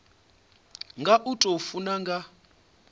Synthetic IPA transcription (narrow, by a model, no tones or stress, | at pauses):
ŋɡʱaʔutʼofunaŋɡa